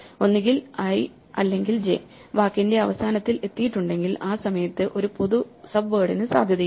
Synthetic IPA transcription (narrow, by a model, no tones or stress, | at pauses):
o̞nːiɡilɐj | ɐlːe̞ŋɡild͡ʑe̞ | ʋaːkːinde̞ɐʋɐsaːnɐt̪ːile̞t̪ːijiʈːuɳɖe̞ŋɡilaːsɐmɐjɐt̪ːɨʔo̞ɾupo̞ðusɐbʋeːɽinɨsa̰ːd̪ʱjɐði